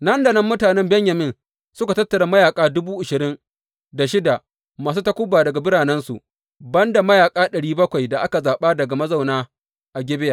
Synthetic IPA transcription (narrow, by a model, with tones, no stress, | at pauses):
nɐ˦ndɐ˨nɐ˦mːʊ˦taː˨nɛ˦mbɛ˦ɲjɐ˨mɪ˦n | sʊ˦ka˨tɐ˦tːɐ˨ɽa˦mɐ˦jaː˨kʼaː˦dʊ˦buː˦ʔɪ˨ʃɪ˨ɾɪ˦n | da˨ʃɪ˦da˨ | maː˨s̬uː˦tɐ˦kʷʊ˦bːaː˨dɐ˨ɡa˨bɪ˦ɽaː˨nɛ˦nsṵ˨ʔ | bɐ˦nda˨mɐ˦jaː˨kʼaː˦ɗɐ˨ɽiː˦bɐ˦kʷa˨jda˨ʔa˦ka˨zaː˨ɓaː˦dɐ˨ɡa˨mɐ˦za˨wnaː˦ | ʔa˨ɡʲɛ˦bɪ˦ja˨